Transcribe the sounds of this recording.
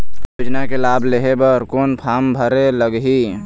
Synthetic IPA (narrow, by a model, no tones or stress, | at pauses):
jud͡ʒnakelaːbleɦebəɾkoːnpʰaːmbʱəɾeləɡɦi